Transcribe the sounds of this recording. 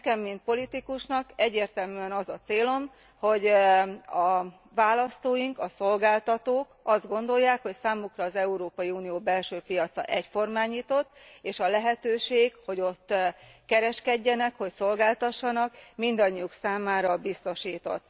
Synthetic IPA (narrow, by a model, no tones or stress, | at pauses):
ɛkɛmːint̪̚po̞lit̪ikuʃnɒkɛɟːeːrt̪ɛlmyːɛnɒzɒt̪seːlo̞m | ho̞ɟ | ɒ | vaːlɒst̪oːjiŋkɒso̞lɡaːlt̪ɒt̪oːkɒzd̪ɡo̞nd̪o̞jːaːkho̞csaːmukrɒːzɛuɾoːpɒjiuːnijoːbɛlʃøːpijɒt̪sɒ̰ʔɛcfo̞rmaːɲiːt̪o̞t̪ːeːʃɒlɛɦɛt̪øːʃeːkɡho̞ɟo̞t̪ːkɛɾɛʃkɛɟːɛnɛkho̞cso̞lɡaːlt̪ɒʃːɒnɒkmind̪ɒɲːijuksaːmaːɾɒbist̪o̞ʃiːt̪o̞̰t̪ː